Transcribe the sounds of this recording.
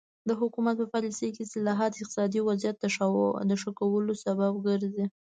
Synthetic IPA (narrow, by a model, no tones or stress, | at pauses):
d̪əɦʊkumat̪̚pəfaɾisejkesɪlɑɦat̪ɪq̚t̪ɪ̥sɑd̪iwazjat̪̚d̪əʃd̪əʂəkawəlosababɡəɾzi